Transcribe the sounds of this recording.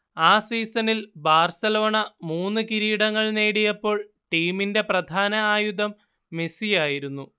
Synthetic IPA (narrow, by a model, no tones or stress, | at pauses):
aːsiːsɐnilbʱaːrsɐlo̞ːɳɐmuːnːɨkiɾiːɽɐŋːɐɭneːɽijɐpːo̞ːɭ | ʈiːminde̞prɐd̪ʱaːnɐaːjud̪ʱɐmː | e̞sijaːjiɾunːu